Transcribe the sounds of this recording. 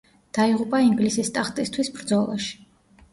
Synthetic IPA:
d̪̥aiʁupʼaiŋɡlisist̪ʼaχt̪ʼist̪ʰwisbɾd̪zɔlˠa̰ʃi̥

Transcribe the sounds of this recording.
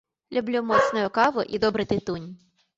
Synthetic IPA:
lʲʊblʲumɔt̪snɔjʊkɑʋʊʔḭd̪ɔbɾɪt̪ɪt̪unʲ

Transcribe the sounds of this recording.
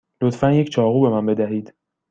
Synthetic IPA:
lot̪fænject͡ʃʰɒːɣuːbe̞mænbe̞d̪æɦiːd̪̥

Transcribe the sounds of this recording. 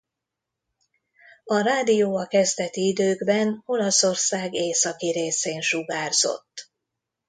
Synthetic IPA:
ɒɾaːd̪ijoːɒkɛzd̪ɛt̪iid̪øːɡbɛno̞lɒso̞rsaːɡeːsɒkiɾeːseːnʃuɡaːrz̥o̞̰t̪ː

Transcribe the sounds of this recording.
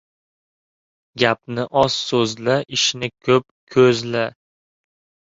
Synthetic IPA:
ɡʲap̚nɪʔɒz̥sɵzlaʔɪʃnɪkʲʰɵp̚kʲʰɵzla

